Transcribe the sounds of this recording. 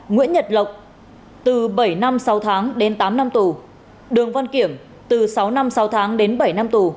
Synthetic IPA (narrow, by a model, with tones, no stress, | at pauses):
ŋḭ˧˥ənɲə˨˩t̚lə˨˩wk͡p̚ | t̪ɨ˨˩ɓə˧˩jna˧msa˨˦wt̪ʰaː˨˦ŋɗe˨˦nt̪aː˨˦mna˧mt̪u˨˩ | ɗɨ˨˩əŋva˧nki˧˩əm | t̪ɨ˨˩sa˨˦wna˧msa˨˦wt̪ʰaː˨˦ŋɗe˨˦nɓə˧˩jna˧mt̪u˨˩